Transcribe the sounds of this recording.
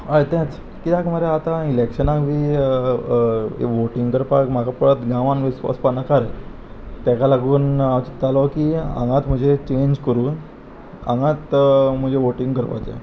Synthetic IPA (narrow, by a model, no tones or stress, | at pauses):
ajt̪ɛ̃t͡s | kit̪akm̤aɾeat̪ailekɕənakʋi | ʋoʈiŋɡkəɾpakm̤akapəɭət̪ɡãʋãnʋisʋa̰spanakaɾe | t̪akalaɡuːnaʋt͡ɕit̪ːalɔkiã̰ŋɡãt̪m̤əd͡ʑʱet͡ɕeɲd͡ʑkəɾuːn | ã̰ŋɡat̪m̤əd͡ʑeʋoʈĩŋɡkəɾpa̰t͡ɕḛ̃